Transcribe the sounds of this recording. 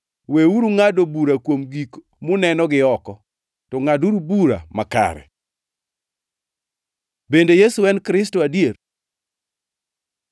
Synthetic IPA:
weuɾuŋadobuɾakwomɡik | mʊnɛnɔɡɪɔkɔ | tɔŋaduɾubuɾa̰maka̰ɾɛ̰ | bendejesuɛnkɾɪs̬toadjer

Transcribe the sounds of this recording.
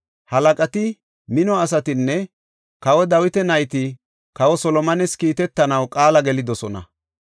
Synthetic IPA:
hɐlɐkʼɐt̪ɪ | mɪnɔɐs̬ɐt̪ɪnːɛ | kɐwɔd̪ɐwɪt̪ɛnɐjt̪ɪ | kɐwɔsɔlɔmɐnɛskiːt̪ɛt̪ːɐnɐwkʼaːlɐɡɛlɪd̪ɔsɔnɐ̰

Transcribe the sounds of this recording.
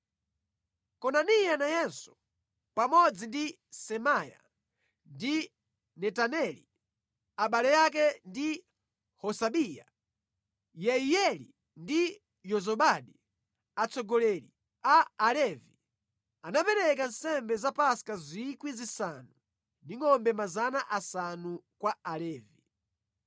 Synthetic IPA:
kɔnanijanajɛnsu̥ | pamɔd͡zindi | sɛmaja̰ | ndi | nɛtanɛlḭ | aɓalɛjakɛndi | hɔsaɓija̰ | jɛijɛlḭ | ndi | jɔzɔɓaɗi | at͡sɔɡɔlɛlḭ | aːlɛvi | anapɛɾɛkan̩sɛmbɛzapaskazikwizisanu | ndiŋɔmbɛmazanaʔasanukwaalɛːvi

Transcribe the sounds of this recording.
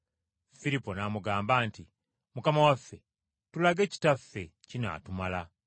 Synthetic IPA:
filipo̞naːmuɡaːmbaːnti | mukamawafːe̞ | tulaɡe̞ci̥tafːe̞cina̰ːtumala

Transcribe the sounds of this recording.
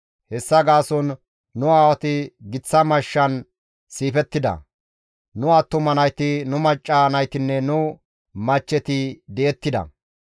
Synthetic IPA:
hɛsːɐɡaːsɔnː | ʊaːwɐt̪ɪɡɪt͡sːɐmɐʃːɐn | siːfɛt̪ːɪd̪ɐ̰ | nʊɐt̪ːʊmɐnɐjt̪ɪnʊmɐt͡ʃʼːɐnɐjt̪ɪnːɛnʊ | mɐt͡ʃːɛt̪ɪd̪ɛːt̪ːɪd̪ɐ̰

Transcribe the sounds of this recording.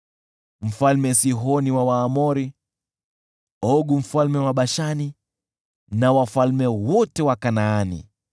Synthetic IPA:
m̩falmɛsiɦɔniwawaːmɔɾi | ɔɡum̩falmɛwaɓaʃani | nawafalmɛwɔtɛwakanaːnḭ

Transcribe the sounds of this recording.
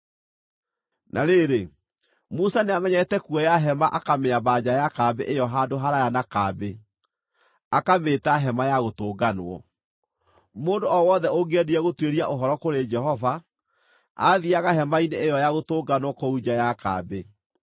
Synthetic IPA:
nʔaɾeɾe | musaneamɛɲɛtɛkuɔjaɦɛmaʔakameabad͡ʑajakabḛʔejɔɦadoɦaɾajanakaːbe | akametaɦɛmajaɣotoːɡanwɔ̰ | moːndoɔwɔðɛoɡeɛdiɛɣotweɾiaʔoɦɔɾɔkoɾed͡ʒɛɦɔva | a̰ðiaɣaɦɛmaineːjɔjaɣotoːɡanwɔkoud͡ʑajaka̰ːbe

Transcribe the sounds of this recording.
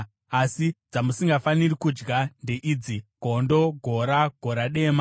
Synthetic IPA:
asid͡zamusiŋɡafanirikud͡ʒɡande̞ʔiːd͡ziɡʱo̞ndo̞ɡʱo̞ɾaɡ̥ʱo̞ɾaɗe̞ːma

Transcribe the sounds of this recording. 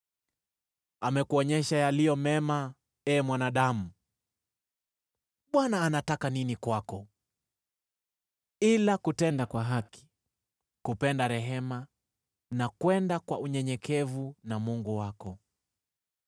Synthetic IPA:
amɛkuɔɲɛʃajalijɔmɛma | ɛːmwanaɗamu | ɓwanaːnatakaninikwakɔ | ilakutɛndakwaɦaki̥ | kupɛndaɾɛɦɛma | nakwɛndakwauɲɛɲɛkʰɛvunamuŋɡuwakɔ

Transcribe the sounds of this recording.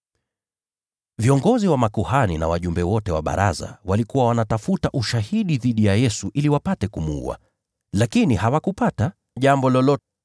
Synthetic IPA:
viɔŋɡɔziwamakuhanina̰waʄumbɛwɔtɛwaɓa̰ɾa̰za̰walikuwawanatafutaʔuʃahiɗiðiɗijajɛsuʔiliwapatɛkumuṵa̰ | lakinihawakupata | ʄambɔlɔlɔ

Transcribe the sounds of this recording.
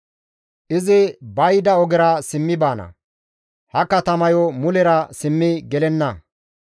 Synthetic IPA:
ʔɪzɪbɐjd̪ɐɔɡɛɾɐsɪmːɪbaːnɐ̰ | hɐkɐt̪ɐmɐjɔmʊlɛɾɐsɪmːɪɡɛlɛnːɐ

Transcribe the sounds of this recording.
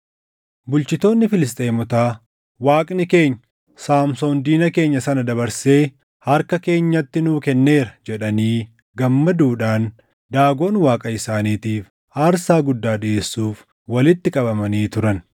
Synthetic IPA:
bʊlt͡ʃɪt̪o̞ːnːɪfɪlɪs̬t̪ʼeːmɔt̪aː | waːkʼnɪke̞ːɲːɐ | saːmso̞ːnd̪iːnɐke̞ːɲːɐsɐnɐd̪ɐβɐɾse̞ː | hɐɾkɐke̞ːɲːɐt̪ːɪnuːkɛnːe̞ːɾɐd͡ʒɛᶑɐniː | ɡɐmːɐd̪uːᶑaːn | d̪aːɡo̞ːnwaːkʼɐɪsaːniːt̪iːf | aːɾsaːɡʊd̪ːaːᶑɪeːsːuːf | wɐlɪt̪ːɪkʼɐbɐmɐniːt̪ʊɾɐn

